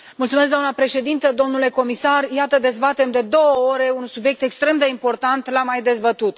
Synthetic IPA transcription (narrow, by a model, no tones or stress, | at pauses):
mult̪sumes̬ɡd̪oanəpɾe̞ʃe̞d̪int̪əd̪o̞mnule̞ko̞misarjat̪əd̪e̞zbat̪e̞md̪e̞d̪o̞wəo̞ɾe̞unsubje̞k̚t̪e̞kst̪ɾe̞md̪e̞impo̞rt̪ant̪lamajd̪e̞zbət̪ut̪